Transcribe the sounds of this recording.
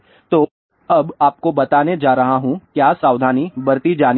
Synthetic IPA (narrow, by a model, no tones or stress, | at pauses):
t̪oː | ɐbaːp̚kobɐt̪aːned͡ʒaːɾɐɦaɦũkjaːsaːʋd̪ʱaːnibɐɾt̪id͡ʒaːn